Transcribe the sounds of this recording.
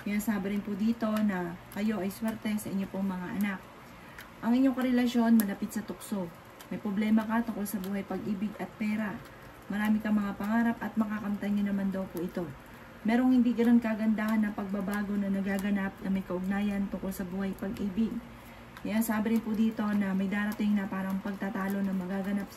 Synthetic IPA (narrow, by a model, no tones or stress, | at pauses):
kɐjasaːbɪɾɪnpʊd̪iːt̪o̞nɐkɐjo̞ʔɐjswɛɾt̪ɛsɐʔɪɲːo̞poŋmɐŋaʔɐnak̚ | ʔɐŋʔɪɲɲo̞ŋkɐɾɛlɐʃo̞nmɐlɐpɪt̪̚sɐt̪ʊk̚so̞ | mɐjpɾoblɛːmɐkɐt̪ʊŋko̞lsɐbuːhɐjpɐɡʔiːbɪɡɐt̪̚pɛːɾɐ | mɐɾaːmɪkɐmɐŋapɐŋaːɾɐpʔɐt̪̚mɐkakɐmt̪ɐnɲonɐmand̪ɐwpʊʔɪt̪o̞ | mɛːɾo̞ŋhɪnd̪iɡɐno̞n̚kaɡɐnd̪aːhɐnːɐŋpɐɡ̚bɐbaːɡo̞nɐnɐɡaːɡɐnap̚nɐmɐjkɐʔʊɡ̚naːjɐnt̪ʊŋko̞lsɐbuːhɐjpɐɡʔiːbɪɡ̚ | kɐjɐŋsaːbɪɾɪnpʊd̪iːt̪o̞nɐmɐjd̪aːɾɐt̪ɪŋnɐpaːɾɐŋpɐɡ̚t̪at̪aːlo̞nɐŋmɐɡaɡɐnap̚